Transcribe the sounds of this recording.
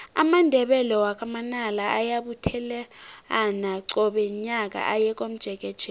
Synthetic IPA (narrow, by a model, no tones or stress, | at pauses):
a̰mandʱɛɓɛlɔwak̬ʼamanalaʔajaɓutʰɛlɛanaǀɔɓɛɲak̬ʼa̰ʔajɛk̬ʼom̩d̥ʒ̥ʱɛk̬ʼɛd̥ʒ̥ʱɛ